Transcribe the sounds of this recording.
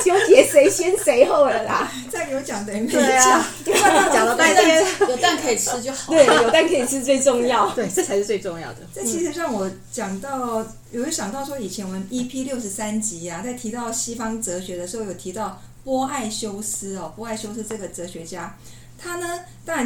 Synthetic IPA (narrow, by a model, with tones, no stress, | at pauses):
t͡ɕjo˥t͡ɕjɛ˨˥ʂe˧˥ɪɕjɛ˥nse˧˥ɪxo˥˩ʊdə˨˩na˨˦ | t͡sa˥˩ɪjo˧˥ʊt͡ɕjɑ˨˩ŋd̪ə˨˩˧mə˥˩˥ | t͡ɕjɑ˨ŋlə˧˦t̪a˥˩˥ɛ˥jo˨˩ʊt̪a˥˨˩nkʰɤ˧˥i˨˩ʂʰɻ̩˥t͡ɕo˥˩˨t̪we˥˩ɪ˥˩jo˨˩t̪a˥˨nkʰɤ˧˥i˨˩ʂɻ̩˥˧t͡swe˥˧ɪʈ͡ʂʊ˥˧ŋjɑ˥˨ʊt̪we˥˩ɪʈ͡ʂɤ˥˩t͡sʰa˧ɪʂɻ̩˥˧t͡swe˥˧ɪʈ͡ʂʊ˥˧ŋjɑ̰˥˩ʊd̪ə˩t͡sa˥˩t͡ɕʰi˧˥ʂɻ̩˧˥ɻɑ˥˩ŋwɔ˨˩ | t͡ɕjɑ˨˩ŋt̪ɑ˥˩ʊ | jo˨˩i˧˥ɕjɑ˨˩ŋt̪ɑ˥˩ʊʂwɔ˥i˨˩t͡ɕʰjɛ˧˥nwə˧˦ni˥pʰi˥ljo˥˩ʊʂ̩˧˥sa˦nt͡ɕi˧˥a˨t͡sa˥˩ɪt̪ʰi˧˥t̪ɑ˥˩ʊɕi˥fɑ˥ŋt͡sɤ˧˥ɕɥɛ˧˥d̪ə˧ʂɻ̩˧˥xo˥˩jo˨˩t̪ʰi˧˥t̪ɑ˥˩ʊpwɔ˥a˥˩ɪɕjo˥ʊsɹ̩˥ɔ˨˩pwɔ˥a˥˩ɪɕjo˥ʊs̩˥ʈ͡ʂɤ˥˩ɡə˩t͡sɤ˧˦˥ɕɥɛ˧˥t͡ɕja˥ | t̪ʰa˥nə˨ | t̪ɑ˥ŋɻa˧˦˥n